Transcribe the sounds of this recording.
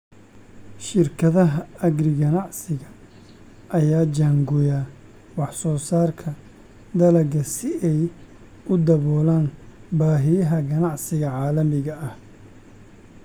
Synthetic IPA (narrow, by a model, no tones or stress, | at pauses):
ʃɪrkʰɐðɐɦɐɐɡrɪɡɐnɑʕsɪɣɐ | ʔɐjaːd͡ʒaːŋɡʊjaː | wɑħsɔːsaːrkʰɐ | d̪ɐlɐɡɐsɪʔɛj | ʊd̪ɐβɔːlaːnbaːɦɪjɐɦɐɡɐnɑʕsɪɣɐʕɑːlɐmɪɣɐʔɐh